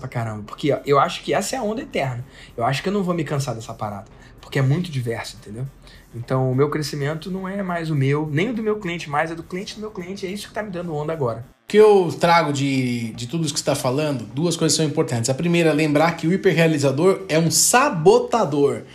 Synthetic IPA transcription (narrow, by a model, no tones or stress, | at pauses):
pakaɾɐ̃mbɐpo̥ɾkɪʔewaʃʊ̥kɪɛsɐɛɐõnd̪ɐet̪ɛɾnɐ | ewaʃʊ̥kɪewnɐ̃w̃vomɪkɐ̃s̬aɾd̪ɛsɐapaɾa̰d̪ɐ | pʊ̥ɾkɪɛmũj̃t̪ʊd͡ʒivɛɾsʊẽnt̪ẽnd̪ew | ẽnt̪ɐ̃w̃ʊmewkɾesimẽnt̪ʊnɐ̃w̃ɛmajzʊmewnẽj̃ʊd̪ʊmewkliẽnt͡ʃɪmajzɛd̪ʊkliẽnt͡ʃɪd̪ʊmewkliẽnt͡ʃɪɛisʊkɪ̥t̪amɪd̪ɐ̃nd̪ʊõnd̪ɐaɡɔɾɐ | ʊkɪewt̪ɾaɡʊd͡ʒɪd͡ʒɪt̪ud̪ʊisʊkɪst̪afalɐ̃nd̪ʊd̪uɐskojzɐsɐ̃w̃ĩmpoɾt̪ɐ̃nt͡ʃɪzɐpɾimejɾɐɛlẽmbɾaɾkɪʊipeɾɦealizad̪oɾɛũsabot̪ad̪oɾ